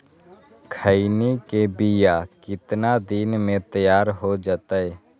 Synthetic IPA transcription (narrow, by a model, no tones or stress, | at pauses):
kʰəinikebijakɪt̪nad̪inmẽt̪əjaːɾɦod͡ʒaːt̪aɦɛː